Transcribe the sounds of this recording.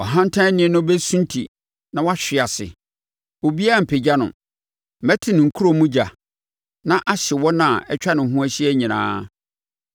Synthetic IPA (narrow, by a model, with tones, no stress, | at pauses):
ɔ˨ɦã˦n̩˦tʰã˦nɪ̃˦ɛ˨nʊ̃˦bɛ˦sũ˦n˦tʰi˨ | nã˨wɔ˦a˦ɕᶣɪ˨a˨sɪ̰˨ | o˨bi˦a˦˨m̩˨pʰe˨d͡ʑa˦nʊ̰̃˨ | mɛ˦tʰɪ˨nɪ̃˨ŋ̩˨kʰu˦ɾo˨mũ˦d͡ʑa˨ | nã˦ʔa˦ɕɪ˨wɔ̃˦nã˨ɛ˦t͡ɕᶣa˦nɪ̃˨ɦũ˦æ˦ɕi˦ɛ˦ɲĩ˨nã̰ː˦